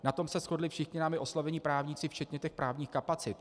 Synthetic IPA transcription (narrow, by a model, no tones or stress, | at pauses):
nat̪o̞msɛsxo̞dlɪfʃɪxɲɪnaːmɪʔo̞slavɛɲiːpɾaːvɲit͡sɪft͡ʃɛt̪ɲɛt̪ɛxpɾʔaːvɲiːxkapat͡sɪt̪